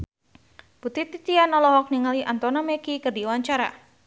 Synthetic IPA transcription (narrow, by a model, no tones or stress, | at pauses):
put̪it̪it̪ianɔlɔɦɔk̚niŋaliʔant̪ɔnamɛkikərdiwaɲt͡ʃaɾa̰